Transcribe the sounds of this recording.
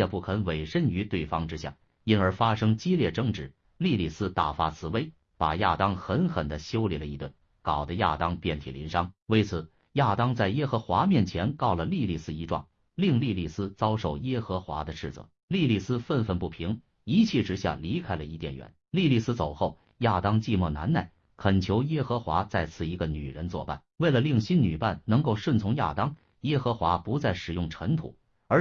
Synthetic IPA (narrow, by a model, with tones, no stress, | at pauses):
ɛ˥˧pu˥˩kʰə˧˥nwe˨˩ɪʂə˥ny˧˥t̪we˥˩ɪfɑ˥ŋʈ͡ʂɻ̩˥ɕja̰˥˩ | i˥nə˞˧˥fa˥ʂɤ˥ŋt͡ɕi˥ljɛ˥˩ʈ͡ʂɤ˥˧ŋʈ͡ʂɻ̩˥˩ | li˥˧li˥˩sɹ̩˥t̪a˥˩fa̰˥t͡sʰɹ̩˧˥˩we˥ɪ | pa̰˨˩ja̰˥˩t̪ɑ˥ŋxə˧˥nxə˨˩nd̪ə˦ɕjo˥ʊli˨˥˩lə˦i˧˥t̪wə̰˥˩n | kɑ˨˩ʊd̪ə˦ja̰˥˩t̪ɑ˥ŋpjɛ˥˩nt̪ʰi˨˩lḭ˧˥nʂɑ˥ŋwe˥ɪt͡sʰɹ̩˨˩˦ | ja˥˩t̪ɑ˥ŋt͡sa˥˩ɪjɛ˥xɤ˧˥xwa˧˥mjɛ˥˩nt͡ɕʰjɛ˧˥nkɑ˥˩ʊlə˩li˥˧li˥˩sɹ̩˥i˧˥ʈ͡ʂwɑ̰˥˩ŋ | li˥˧ŋli˥˧li˥˩sɹ̩˥t͡sɑ˥ʊʂo˨˩ʊjɛ˥xɤ˧˥xwa̰˧˥d̪ə˧ʂɻ̩˥˩t͡sɤ̰˩˦ | li˥˧li˥˩sɹ̩˥fə˥˧nfə˥˧npu˥˩pʰi˧˥ŋ | i˧˥t͡ɕʰɛ˥˩ʈ͡ʂɻ̩˧˥ɕja̰˥˩li˧˥kʰa˥ɪlə̰˨i˥˧˩t̪jɛ˥˩nɥɛ̰˧˥nli˥˧li˥˧sɹ̩˥t͡so˨˩ʊxo˥˩ʊ | ja˥˩t̪ɑ˥ŋt͡ɕi˥˧mwɔ˥˩na̰˧˥nna˥˩ɪ | kʰə˨˩nt͡ɕʰjo˧˥ʊjɛ˥xɤ˧˥xwa˧˥t͡sa˥˧ɪt͡sʰɹ̩˥˩i˧˥ɡə˧ny̰˨˩ɻə˧˥nt͡swɔ̰˥˧pa̰˥˩nwe˥˩ɪlə˩li˥˩ŋɕi˥nny˨˩pa˥˩nnɤ˧˥ŋko˥˧ʊʂwə˥˩nt͡sʰʊ˧˥ŋja̰˥˩t̪ɑ˥ŋ | jɛ˥xɤ˧˥xwa˧˥pu˧˥t͡sa˥˩ɪʂɻ̩˨˩jʊ˥˩ŋʈ͡ʂʰɤ˧˥ŋt̪ʰṵ˨˩˦ | ə˞˧˥